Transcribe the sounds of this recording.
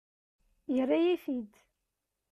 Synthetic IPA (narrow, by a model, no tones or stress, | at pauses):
jərːajifid̪